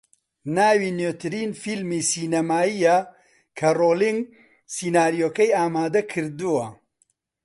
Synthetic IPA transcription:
naːwinøːt̪ɨɾiːnfilmisiːnɐmaːija | kʰɐroːliŋɡ | siːnaːɾijoːkɐjaːmaːd̪ɐkʰɨɾd̪uwɐ

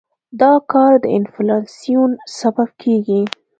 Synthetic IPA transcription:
d̪ɑkɑɾd̪əɪnflɑsijunsabab̚kʰeɡi

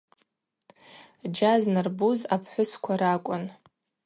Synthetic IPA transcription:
d͡ʒaznarbuzapʰħʷʊskʷʰaɾakʷʼʊn

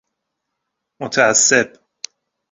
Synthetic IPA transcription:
mot̪ʰææsːe̞b

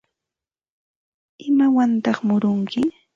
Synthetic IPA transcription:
ɪmawant̪ɑχmʊɾʊŋkʰɪ

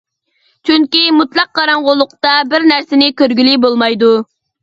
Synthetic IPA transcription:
t͡ʃʰyŋkʲimut̪lˠɑq̚ːɑɾɑɴʁʊlˠːʊq̚t̪ɑbɪɾnæɾsɪnɪkʲøɾɡʲylibolˠmɑjd̪u

